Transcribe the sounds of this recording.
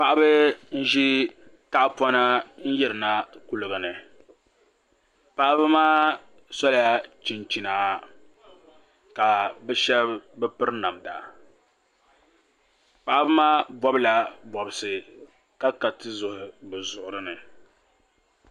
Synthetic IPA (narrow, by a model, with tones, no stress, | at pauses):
pa˨ʔa˦bɨ˦n̩˦ʒi˦ta˦ʔpɔ˦na˦n̩˦jɛ˦ɾɨ˨na˦ku˨lɨ˨ɡɨ˨nɨ˨ | pa˦ʔa˦bɨ˦maː˦ | sɔ˦la˦ja˦t͡ʃi˨nt͡ʃi˨naː˨˦ | ka˨bɛ˦ʃɛ˦bɛ˦pɨ˦ɾna˨mda̰˨ | pa˨ʔa˦bɨ˦maː˦bɔ˦bla˨bɔ˨bɨ˨sɨ˨ | ka˦ka˨tɨ˦zʊ˨hʊ˨bɨ˨zʊ˨ʔʊ˨ɾɨ˦nɨ˨